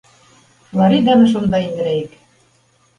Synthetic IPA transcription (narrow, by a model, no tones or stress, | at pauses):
flˠɑɾid̪ɑnɤ̆ʃ̬ond̪ɑind̪ɘ̆ɾæik